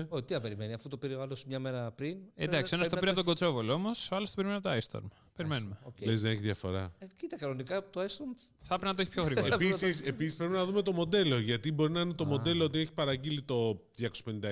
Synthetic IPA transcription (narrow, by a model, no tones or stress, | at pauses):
ot̪iɐpeɾime̞niɐfut̪opiɾioalosmɲɐme̞ɾɐpɾined̪ɐksio̞nɐst̪opiɾiɐpooɡo̞t͡so̞voloomosoɐlost̪opimenmɐpot̪oajst̪o̰ɾm | pe̞ɾimenumelezðeeçiðʝɐfo̞̰ɾɐ̰cit̪ɐkɐnonikɐt̪oajst̪oɾm | θɐpeɾinɐt̪oeçipçoɣɾiɣoɐpisisepisispɾepinɐðume̞t̪o̞mo̞d̪e̞lo̞ʝɐt̪ibo̞ɾinɐinet̪o̞mo̞d̪e̞loot̪̬ieçi̥pɐɾɐɟilit̪o̞ðʝɐkospe̞nind̪ɐ